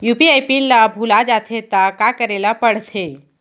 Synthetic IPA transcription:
jupiajpinlabʱulad͡ʒat̪ʰet̪akakəɾelapəɽsʰe

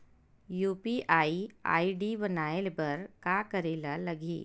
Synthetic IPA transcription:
juːpiʔaːia̰ːiɖibənaːelbɐɾkaːkəɾeːlalɐɡḭː

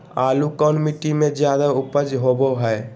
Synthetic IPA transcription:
aːlukɔːnmiʈimẽd͡ʒjaːd̪aʊpəd͡ʒɦoboɦɛj

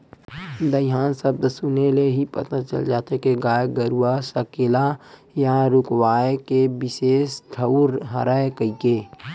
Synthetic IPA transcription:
d̪əɦaːnsəb̚d̪sʊneleɦipə̰t̪at͡ʃə̰ld͡ʒaːt̪ekeɡaːjɡəɾuasəkela | jaɾʊkwaːekebɪseːsʈʰəuɾɦə̰ɾaːekəikeː

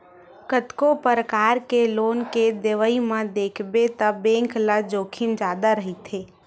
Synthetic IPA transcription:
kət̪kopəɾəkaːɾkeloːnked̪eʋəimãd̪eːkʰbet̪əbẽŋklad͡ʒoːkʰind͡ʒaːd̪aɾəɦit̪ʰeː

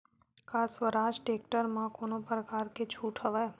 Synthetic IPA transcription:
kasʋəɾaʃʈek̚ʈəɾmãkonopɾəkaɾket͡ʃʰuʈʰəʋaj

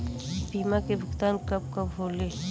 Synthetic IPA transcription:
biːmakebʱʊkt̪aːnkɐb̚kɐbɦoːleː

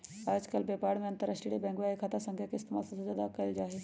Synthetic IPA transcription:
aːd͡ʒkəlbeːpaːɽmẽɐ̃nt̪əɾaːʃʈɾiːɾibɛ̃ːŋɡʋaːikʰaːt̪asə̃ŋɡʰʱjakeɪst̪emaːlsɐsɐzaːd̪akɐid͡ʒaːɦe

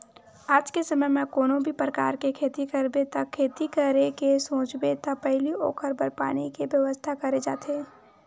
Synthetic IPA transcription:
aːd͡ʒkesɐməjmɛ̃koːnõbʱipɾəka̰ːɾkekʰeːt̪ikəɾbet̪ɐkʰːeːt̪ikəɾekesõːt͡ʃbet̪ɐpɛɦlio̰ːkʰəɾbəɾpa̰ːnikeʋjɐʋəst̪ʰakɐɾed͡ʒa̰ːt̪eː

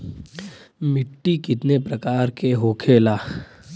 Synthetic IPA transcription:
mɪʈːikɪt̪nepɾɐkaːɾkeɦoːkʰeːlaː

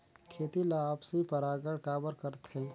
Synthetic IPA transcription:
kʰeːt̪ilaːpsipəɾaːɡəɽkaːbəɾkəɾt̪hẽ

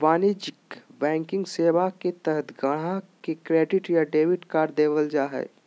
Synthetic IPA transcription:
baːnid͡ʒɪkbɛ̃ːŋkɪ̃ŋɡseːʋaket̪ɛɦət̪ʰɡəɽ̤ãkekɾeːɖɪʈjaɖeːʋɪʈkaːɾd̪eːʋəld͡ʒaːɦɛ̰ː

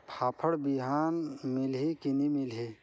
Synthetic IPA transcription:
pʰaːpʰəɽbiɦaːnmɪlɦikinimɪlɦi

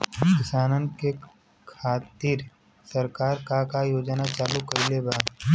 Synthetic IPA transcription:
kɪsaːnənke | kʰaːt̪iːɾ | sɐɾkaːɾkaɾkajoːd͡ʒnat͡ʃaːlukəɪlebaːd̪

